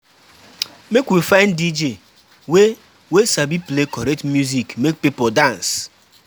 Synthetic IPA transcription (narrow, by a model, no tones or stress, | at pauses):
mekʷwifaɪndid͡ʒe | we | wesabiplekɔɾek̚tmjuzikmek̚pipodãns